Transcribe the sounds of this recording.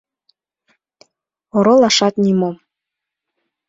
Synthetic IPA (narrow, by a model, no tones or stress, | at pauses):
oɾolɑʃɑt̪nimom